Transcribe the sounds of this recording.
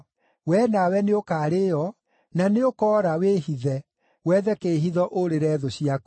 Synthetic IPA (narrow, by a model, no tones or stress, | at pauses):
wɛnawɛneokaːɾejɔ | naneokɔːɾaweːhiðɛ | wɛðɛkeːɦiðɔʔoɾeɾɛðoɕiak